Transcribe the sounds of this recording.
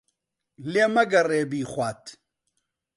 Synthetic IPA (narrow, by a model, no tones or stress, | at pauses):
leːmɐɡɐreːbiːχʷaːt̪ʰ